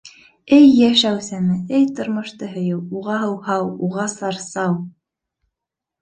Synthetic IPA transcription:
ɘjːæʃæwsæmɘɘjt̪ɤ̆ɾmɤ̆ʃt̪ɤɦɤ̆jɤwuʁɑɦɤ̆whɑwuʁɑsɑɾsɑw

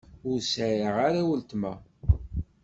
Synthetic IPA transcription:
ʊɾsæɾəʁaɾawəlt̪mæ̰

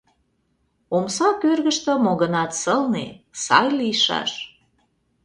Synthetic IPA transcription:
omsɑkørɣəʃt̪ə̆moɣənɑt̪səlnḛsɑ̰jlijʃɑ̰ʃ

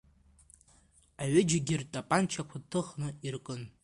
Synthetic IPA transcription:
aɥɪd͡ʒɪɡʲɪrtʼapʼant͡ʃʰakʷʰatʰɨχnɨirkʼɨn

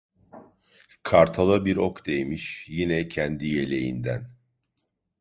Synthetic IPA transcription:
kʰaɾt̪ʰalˠabiɾokd̪e̞jmiʃjinɛcʰɛnd̪ijelʲe̞jḭnd̪æ̰n

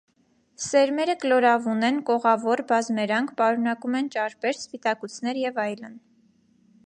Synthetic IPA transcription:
sɛɾmɛɾəkəlɔɾɑvunɛnkɔʁɑvɔɾbɑzmɛɾɑŋkʰpɑɾun̪ɑkumɛnt͡ʃɑɾpɛɾspit̪ɑkut͡sʰnɛɾjɛvɑjlən

